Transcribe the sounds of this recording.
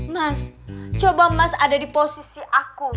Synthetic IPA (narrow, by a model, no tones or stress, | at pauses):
mast͡ʃobamasadadiposisiʔaku